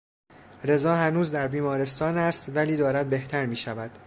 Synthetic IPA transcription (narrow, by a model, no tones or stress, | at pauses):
ɾe̞zɒːhænuːzd̪æɾbiːmɒːɾe̞st̪ɒːnæst̪væliːd̪ɒːɾæd̪̚be̞ht̪ʰæɾmiːʃævæd̪̥